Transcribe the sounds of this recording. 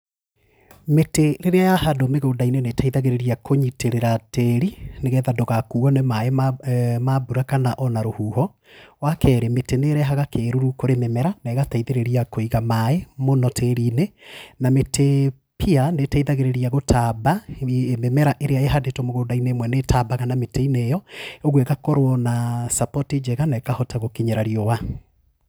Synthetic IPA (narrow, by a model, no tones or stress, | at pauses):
meteɾeɾeajahadomeɣoːdainenetaiðaɣeɾeɾiakʰoɲiteɾeɾateɾineɣɛːðadoɣakuɔnemae | mabuɾakanaʔɔnaɾohuːhɔ | wakʰɛɾemeteneɾɛaɦaɣakʰeɾuɾukoɾememɛɾanaeɣataiðeɾeɾiakoiɣamaemonɔtʰeɾinenametʰe | pianetaiðaɣeɾeɾiaɣotʰabamemɛɾaʔeɾeaeɦadetɔmoɣoːdainemwɛnetʰabaɣanameteinejɔoɣweɣakɔɾwɔnasapɔted͡ʒɛɣanɛkahɔtaɣokeɲɛɾaɾiɔwa